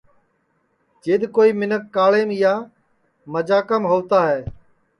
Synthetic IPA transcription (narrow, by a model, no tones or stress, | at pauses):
d͡ʒeːɗ̪koːiːmɪnəkːaːɭeːmɪjaː | məd͡ʒaːkəmɦoːʋt̪aːɦɛː